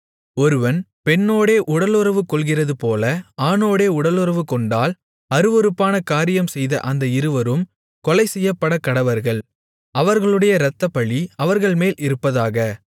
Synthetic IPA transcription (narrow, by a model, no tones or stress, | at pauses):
ɔɾɯʋɐnpɛɳːoːɽeːʔʊɽɐlɯɾɐʋɯkːɔlɣɪrɐðɯpoːlɐaːnoːɽeːʊɽɐlɯrɐʋɯkːɔɳɖaːl | ɐɾɯʋɔɾɯpːaːnɐkaːɾɪjɐmsɛjðɐ̰ʔɐnd̪ɐɪɾɯʋɐɾɯm | kɔlɐɪsɛjːɐpːɐɽɐkːɐɽɐʋɐɾɣɐɭ | ɐʋɐɾɣɐɭɯɽɐjɐɾɐt̪ːɐpɐɭiɐʋɐɾɣɐɭmeːlɪɾɯpːɐðaːɣɐ